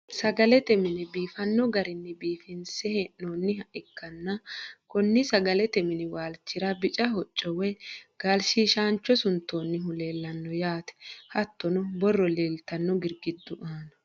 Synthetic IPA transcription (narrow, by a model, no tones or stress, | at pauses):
sɐɡɐlɛt̪ɛmɪnɪbiːfɐnːɔɡɐɾɪnːɛbiːfɪnsɛhɛnoːnːɪhɐʔɪkːɐnːɐkɔnːɪsɐɡɐlɛt̪ɛmɪnɪwaːlt͡ʃːɪɾɐbɪt͡ʃʼɐhɔt͡ʃʼːɔwɛɡ̥aːlʃiːʃaːnt͡ʃːɔsʊnt̪ːoːnːɪɦʊle̞ːlːɐnːɔjaːt̪ɛ̥hɐt̪ʰːɔnɔbɔrːɔleːlt̪ɐnːɔɡɪɾɡɪd̪ːʊʔaːnɐ